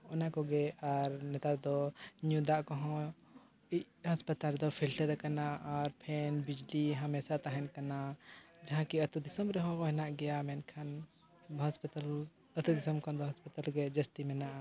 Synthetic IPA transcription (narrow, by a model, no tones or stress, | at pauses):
ɔnakɔɡɛaɾnɛt̪ad̪ɔɲũd̪aʔkɔɦɔ̃ | i | ɦɐspət̪ald̪ɔpʰilʈəɾkanaʔaɾpʰɛnbid͡ʒliɦɐmɛsat̪aɦɛnkanad͡ʒaɦãkiɐt̪ud̪isəmɾɛɦɔ̃kɔɦɛnaʔɡɛjamɛnkʰan | ɦɐspt̪al | ət̪ud̪isəmkʰɔd̪ɔɦɐspət̪alɡɛd͡ʒəst̪imɛnaʔa